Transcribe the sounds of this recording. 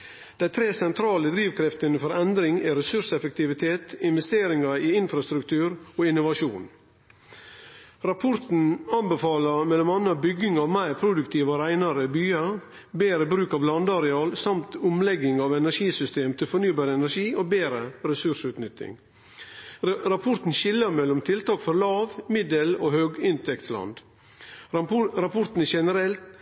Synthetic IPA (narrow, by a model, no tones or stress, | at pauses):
d̪̥æɪt̪ʰɾeːsɛnt̪ʰɾɑːləd̪ɾiːʋkʰɾɛft̪ənəfɔɾɛnd̪ɾɪŋæɾɛsʉʂɛfək̚t̪ɪʋɪt̪ʰeːt̪ɪnʋɛst̪eːɾɪŋɑɪɪnfɾɑst̪ɾʉkt̪ʰʉːɾoːɪnʊʋɑʂuːn | ɾɑpʰɔɾt̪n̩ɑnbɛfɑːləmɛlɔmɑnːəɑbʏɡɪŋɑːʋmæɪɾpʰɾʊd̪ʉk̚t̪ʰiːʋəɾæɪnɑɾəbyːɑ | beːɾəbɾʉːkɑʋlɑnd̪ɑɾɛɑːlsɑmt̪ʊmlɛɡɪŋɑːʋɛnæʂiːsʏst̪eːmt̪ʰɪlfɔnyːbɑːɾəɛnæɾʂiːʔoːbeːɾəɾɛsʉʂʉːt̪nʏt̪ːɪ̰ŋ | ɾɑpʰɔɾt̪n̩ʃɪlːəmɛlɔmt̪ʰɪlt̪ʰɑːkfɔɾlɑːʋmɪd̪əloːhøːɡɪnt̪ʰɛkt̪slɑ̰nd̪ | ɾɑpʰɔɾt̪n̩æʃɛnəɾɛlt̪